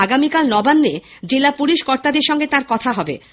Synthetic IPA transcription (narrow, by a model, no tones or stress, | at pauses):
aɡamikalnɔbanːed͡ʑelapuliʃkɔɾt̪ad̪eɾʃɔŋɡet̪aɾkɔt̪ʰaɦɔbḛ